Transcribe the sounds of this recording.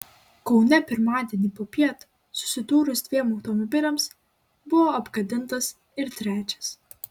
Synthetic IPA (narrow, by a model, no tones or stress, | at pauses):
kɒʊnʲɛpʲɪɾmɑːd̪ʲiɛnʲiːpoːpʲiɛt̪ | sʊ̥sʲɪd̪uːɾʊsd̪ʲʋʲiɛmɒʊt̪ɔmɔbʲɪlʲɛms | bʊʋoɐbɡɐd̪ʲɪnˑt̪ɐs | ɪɾt̪ʲɾʲæːt͡ʃʲɛ̥s